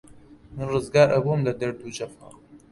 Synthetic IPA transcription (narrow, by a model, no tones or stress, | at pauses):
mɨnrɨzɡaːɾʔɐbumlɐd̪ɐɾd̪uːd͡ʒɐfa̰